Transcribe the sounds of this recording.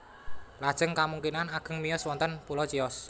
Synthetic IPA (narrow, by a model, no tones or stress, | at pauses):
lad̥ʒ̥əŋkamuŋkinanaɡ̥ə̤ŋmijɔswɔnt̪ənpulɔt͡ʃiɔs